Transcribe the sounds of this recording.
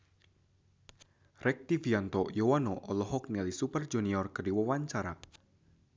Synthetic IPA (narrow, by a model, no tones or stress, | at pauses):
rʔɛk̚t̪iviant̪ɔjɔwanɔʔɔlɔɦɔk̚nialisupərd͡ʒuniɔrkərdiwəwaɲt͡ʃaɾa